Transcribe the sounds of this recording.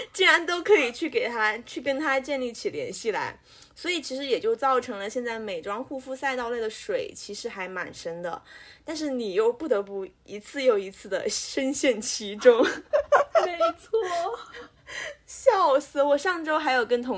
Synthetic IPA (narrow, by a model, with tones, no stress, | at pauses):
t͡ɕi˥nɻa˧˥nt̪o˥ʊkʰɤ˧˥i˨˩t͡ɕʰy˥˩ke˨˩ɪt̪ʰa˥t͡ɕʰy˥˩kə˥nt̪ʰa˥t͡ɕjɛ˥˧nli˥˩t͡ɕʰi˨˩ljɛ̰˧˥nɕi˥˩la̰˧˥ɪ | swɔ˧˥i˨˩t͡ɕʰi˧˥ʂɻ̩˧˥jɛ˨˩t͡ɕjo˥˧ʊt͡sɑ˥˩ʊʈ͡ʂʰɤ˧˥ŋlə˧ɕjɛ˥˧nt͡sa˥˩ɪme˨˩ɪʈ͡ʂwɑ˥ŋxu˥˧fu˥˧sa˥˧ɪt̪ɑ˥˧ʊle˥˩ɪə˩ʂwe˨˩ɪt͡ɕʰi˧˥ʂɻ̩˧˥xa˧˥ɪma̰˨˩nʂə˥ŋd̪ə̰˨t̪a˥˧nʂ̬ɻ̩˥˩ni˨˩jo˥˧ʊpu˥˩t̪ɤ˧˥pu˥˩ | i˧˥t͡sʰɹ̩˥˧jo˥˩ʊi˧˥t͡sʰɹ̩˥˩d̪ə̰˩ʂə˥nɕjɛ˥˩nt͡ɕʰi˧˥ʈ͡ʂʊ˥ŋ | me˥˧ɪɪt͡sʰwɔ˥˩ | ɕjɑ˥˩ʊs̩˥˩wɔ˨˩ʂɑ˥˩ŋʈ͡ʂo˥ʊxa˧˥ɪjo˨˩ʊkə˥nt̪ʰʊ˧˥ŋ